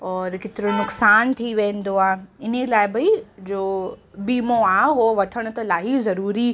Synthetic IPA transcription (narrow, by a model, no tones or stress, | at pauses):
ɔːɾkɪt̪ɪɾonʊksaːnt̪ʰiʋẽːn̆d̪oaːeɪnelaːɪbɐid͡ʑoːbiːmoaːɦoʋɐt̪ʰəɽ̃ʊ̆t̪ɐlaːɦizɐɾuːɾi